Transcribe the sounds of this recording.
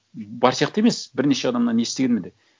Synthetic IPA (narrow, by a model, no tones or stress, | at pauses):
bɑɾsijɑqt̪əe̞me̞sbɪɾne̞ʃe̞ɑd̪ɑmnɑnjest̪eɡʲenmend̪e